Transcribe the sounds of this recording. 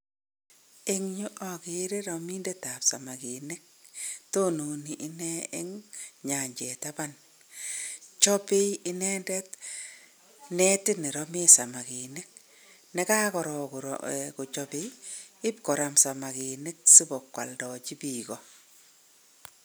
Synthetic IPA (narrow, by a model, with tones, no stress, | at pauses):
ɪ˦ŋɲu˦ʔɔ˦kɪ˨ɾe˦ɾɔ˨mi˦ndɛ˦ta˨psa˨ma˨ki˨nɪ˦k̚ | to˦nu˨ni˨ʔːnɛ˦ɪ˦ŋɲa˨ɲd͡ʒɛ˨ta˦ba˦n | t͡ʃɔ˦pe˦ɪ˦nɛ˦ndɛ˦t | nɛ˦tɪ˦ni˨ɾɔmi˦sa˨ma˨ki˨ne˦k̚ | nɛ˦ka˦kɔ˨ɾɔ˨kɾ̰kʊ˨t͡ʃɔ˦pe˦ɪ˦p̚kɔ˨ɾa˨msa˨ma˨ke˨nɪ˦k̚si˦bɔ˨kwa̰˨ldɔ˨t͡ʃi˦biː˨kɔ˨